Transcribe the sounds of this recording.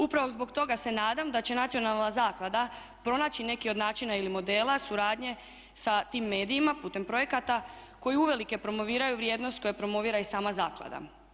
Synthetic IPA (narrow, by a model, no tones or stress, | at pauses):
upɾaʋozbo̞ɡt̪o̞ɡase̞naːd̪amd̪at͡ɕe̞nat̪sio̞nalˠnazaːklˠad̪a | pɾo̞naːt͡ɕine̞kio̞d̪naːt͡ʃinailimo̞d̪e̞ːlˠasuɾaːd̪ɲe̞ | sat̪iːmːe̞ːd̪ijimaput̪e̞mpɾo̞je̞kat̪a | ko̞jiuʋe̞like̞pɾo̞mo̞ʋiːɾajuʋɾjeːd̪nost̪̚ko̞japɾo̞mo̞ʋiːɾaisaːmazaːklˠa̰d̪a̰